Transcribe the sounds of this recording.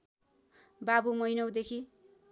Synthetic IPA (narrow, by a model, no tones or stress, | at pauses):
babumʌjnʌwd̪ekʰi